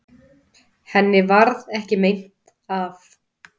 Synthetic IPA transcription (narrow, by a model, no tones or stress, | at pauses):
hɛnːɪvaɾðɛhcɪmejn̥t̪ | af